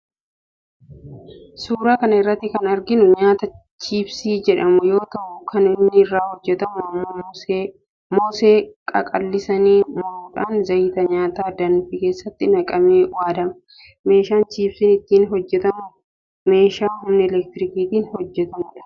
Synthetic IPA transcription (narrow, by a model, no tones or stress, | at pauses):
suːɾaːkɐnɐɪrːɐt̪ːɪkɐnɐɾɡɪnʊɲaːt̪ɐ | t͡ʃiːbsiːd͡ʒɛᶑɐmʊjo̞ːt̪ɐʔʊkʰɐnɪnːɪːrːaːhɔd͡ʒːɛt̪ɐmʊɐmːo | moːseːkʼɐ̰kʼɐlːɪsɐniːmʊɾuːᶑaːnzɐjɪt̪ɐɲaːt̪aːd̪ɐnfɪke̞ːsːɐt̪ːɪnɐkʼɐmeːwaːd̪ɐmɐ | me̞ːʃaːnt͡ʃiːbsɪnɪt̪ːiːnɦɔd͡ʒːɛt̪ɐmʊ | me̞ːʃaːɦʊmnɪɛlɛk̚t̪ɪɾɪkiːt̪iːnhɔd͡ʒːɛt̪ɐmʊᶑɐ̥